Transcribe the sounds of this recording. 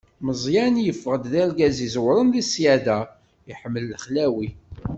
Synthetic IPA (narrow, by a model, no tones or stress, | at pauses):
məzˤjænjəfːʁəd̪ðælɡæzizwɾˤənðisjæðæ | iħəmːəlːəχlæwi